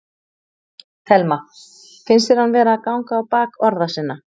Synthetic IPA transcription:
θɛlma | fɪnsɪɾ̥hanvɛːɾaːkawŋkaːwpaːkɔɾðasɪnːa

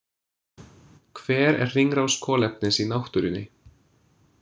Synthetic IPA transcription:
kʰvɛːɾɛ̰r̥r̥iŋɾawskʰɔːlɛp̚nɪnsinawht̪ʏɾɪnːɪ

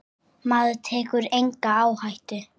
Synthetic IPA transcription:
maːðʏt̪ʰɛːkʏɾejŋkaaːwhajht̪ʏ

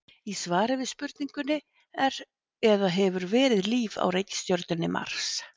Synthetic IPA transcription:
isvaːɾɪvɪðspʏɾt̪niŋkʏnːɪ | ɛɾ | ɛðaɦɛvʏɾvɛːɾɪðliːva̰wɾejcɪ̥st̪joɾt̪ʏnːɪma̰r̥s

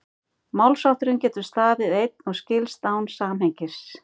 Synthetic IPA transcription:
mawlsawht̪ʏɾʏmcɛːt̪ʏ̥st̪aːvɪðejt̪̚nɔɣscɪlst̪awnsaːmheɲcɪ̥s

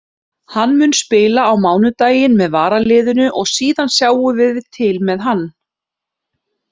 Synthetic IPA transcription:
hanːmʏnspɪːlaːwmaːwnʏt̪aːjɪnmɛðvaːɾalɪːðʏnʏʔɔɣsiːðansjaːwʏvɪðvɪðt̪ʰːɪlmɛðɦanː

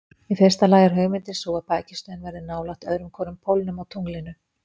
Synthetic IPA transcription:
ifɪr̥st̪alaːjɣaɾ̥ɦœɣmɪnt̪ɪnsɔːɣapaːjcɪ̥st̪œnvɛɾðʏɪnaːwlaht̪œðɾʏmkʰɔːnʏmpʰowlnʏmawt̪ʰuŋlɪnʏ

